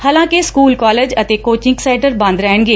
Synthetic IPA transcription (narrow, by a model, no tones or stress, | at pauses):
haːlãːkeskuːlkɔːleːd͡ʒət̪eːkoːt͡ʃɪ̃ŋɡsɛːɳʈəɾbə̃nd̪ɾɛːɦəɳɡeː